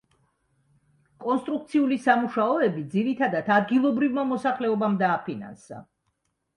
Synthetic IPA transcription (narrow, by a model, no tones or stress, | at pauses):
kʼɔnst̪ʼɾuk̚t̪sʰiulisamuʃaɔɛbid̪ziɾit̪ʰad̪at̪ʰad̪ɡilˠɔbɾivmamɔsaχlɛɔbamd̪aːpʰina̰nsa̰